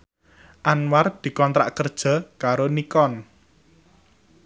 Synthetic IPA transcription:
ʔanward̪̥i̤kɔnt̪ɾa̰ʔkərd̥ʒ̥a̤kaɾonikɔn

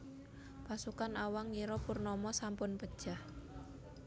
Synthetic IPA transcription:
pasukanawaŋːiɾɔpurnɔmɔsampʊnpəd̥ʒ̥ah

